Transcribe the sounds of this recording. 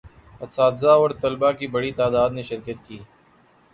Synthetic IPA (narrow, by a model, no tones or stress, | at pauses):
ɐt̪saːd̪zaːɔːɾt̪ɐlbakibɐɽit̪aːd̪aːd̪neʃɪɾkət̪kiː